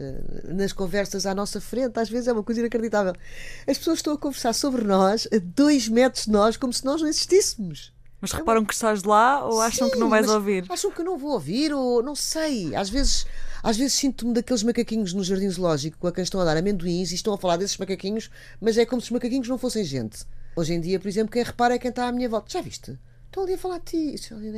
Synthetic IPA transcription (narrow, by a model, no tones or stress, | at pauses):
ɛ̰nɐʃkõvɛɾsɐzanɔsɐfɾẽnt̪aʒvezzɛumɐkojzɐĩnɐkɾðit̪avɛlˠɐʃpsoɐzʃt̪ɐ̃w̃ɐkõvɨɾsaɾsoβɾnɔʃɐd̪ojʒmɛt̪ɾuʒðnɔʃkomusɨnɔʒnɐ̃w̃iziʃt̪ismuʃ | mɐʃʁɨɛpaɾɐ̃w̃kɨ̥ʃt̪aʒlˠaoaʃɐ̃w̃knɐ̃w̃vajmzoviɾaʃɐ̃w̃kewnɐ̃w̃vooviɾonɐ̃w̃sɐja̰ʒvezʃaʒvezʃsĩnt̪umd̪ɐkelˠʒmɐkɐkiɲuʒnuʒːɐɾðĩðlˠɔʒiku̥kõɐkɐ̃ʃt̪ɐ̃w̃ɐðaɾɐmẽnd̪wĩʃiʃt̪ɐ̃w̃ɐfɐlˠaɾðesʒ̥mɐkɐkiɲuʃ | mɐzɛkomusu̥ʒmɐkɐkiɲuʒnɐ̃w̃fosɐ̃j̃ʒḛ̃nt̪oʒẽj̃d̪iɐpɔɾizẽmplˠukɐ̃j̃ʁɨpaɾɐɛkɐ̃j̃t̪aamiɲɐvɔlˠt̪ɐʒ̥avḭʃt̪ɨ | t̪oɐlˠiɐfɐlˠaɾd̪ɨt̪ʰisɛi